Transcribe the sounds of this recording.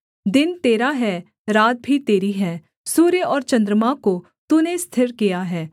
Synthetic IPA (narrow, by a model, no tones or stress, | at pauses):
d̪ɪnt̪eːɾaɦɛː | ɾaːt̪̚bʱit̪eːɾiɦɛː | suːɾjəɔːɾt͡ʃə̃nd̪ɾəmako | t̪ʊnẽst̪ʰɪɾkijaɦɛː